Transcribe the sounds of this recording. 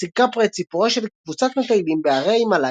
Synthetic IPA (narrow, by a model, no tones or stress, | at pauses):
sikapʁet͡sipuʁeʃelkvut͡sat̪met̪ajlimbeaʁejmala